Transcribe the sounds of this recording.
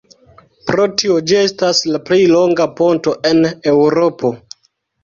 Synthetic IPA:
pɾo̞tio̞d͡ʒie̞staslaplilo̞ŋɡapo̞nto̞ʔe̞newɾo̞po̞

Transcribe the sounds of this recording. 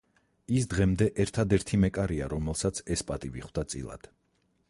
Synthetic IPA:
isd̪ʁɛmd̪ɛʔɛɾt̪ʰad̪ɛɾt̪ʰimɛkʼaɾiaɾɔmɛlˠsat̪sʰɛspʼat̪ʼiviχwd̪̥at̪sʼḭlˠa̰d̪̥

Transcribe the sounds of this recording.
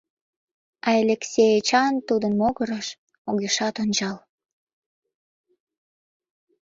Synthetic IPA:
ɑelʲeksʲejet͡ɕɑnt̪ud̪ənmoɣəɾəʃ | oɣeʃɑt̪onʲt͡ɕɑl

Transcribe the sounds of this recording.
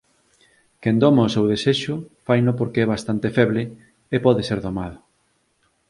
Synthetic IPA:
kend̪ɔmaosewðeseʃʊfajnʊpoɾkeɛβ̞ast̪ant̪efɛβlɪ | epɔðeseɾðomaðʊ

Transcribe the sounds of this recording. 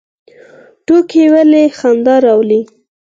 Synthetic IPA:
ʈokʰewalexand̪ɑɾɑwli

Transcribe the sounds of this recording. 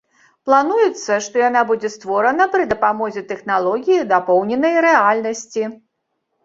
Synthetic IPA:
plˠanujɛt̪sːɐʂt̪ɔjan̪abud͡zʲɛst̪vɔɾɐnɐpɾɨd̪ɐpamɔzʲɛt̪ɛxnalˠɔɣʲijid̪apɔwnʲɛnɐjɾɛalʲnɐsʲt͡sʲi

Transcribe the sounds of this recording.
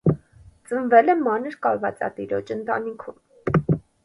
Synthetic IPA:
t͡sənvɛlɛmɑnəɾkɑlvɑ̰t͡sɑ̰t̪iɾɔt͡ʃənt̪ɑ̰nikʰum

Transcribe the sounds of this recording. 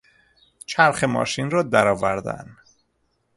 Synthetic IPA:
t͡ʃʰæɾxemɒ̰ːʃinrɒːd̪æɾɒːvæɾd̪æ̰n

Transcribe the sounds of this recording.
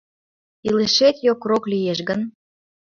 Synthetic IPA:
iləʃet̪jokroklijeʃɣən

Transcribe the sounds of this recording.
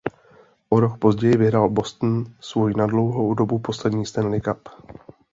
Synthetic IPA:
ʔoɾo̞kpo̞zɟɛjɪvɪɦɾalbo̞st̪n̩svujinadlo̞wɦowdo̞bupo̞slɛdɲiːst̪ɛnlɪkap

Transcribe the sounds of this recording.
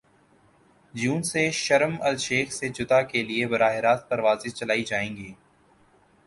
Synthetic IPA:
d͡ʒuːnseʃɐɾəmɐlʃeːxset͡ʃʊt̪akeliebɐɾaːɦɪɾaːt̪̚pɐɾʋaːzɪst͡ʃɐlaːid͡ʒaːẽːŋɡiː

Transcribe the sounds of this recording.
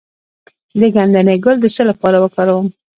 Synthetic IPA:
d̪əɡand̪aneɡʊld̪əsəlapɑɾawəkɑɾawəm

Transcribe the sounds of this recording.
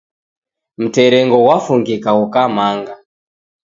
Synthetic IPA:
m̩tɛɾɛŋɡɔwafuŋɡikaukamaŋɡa

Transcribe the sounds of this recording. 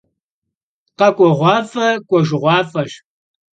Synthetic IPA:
qɐkʷʼɔʁʷɑːfɐkʷʼɔʒɪʁʷɑːfɐʒ

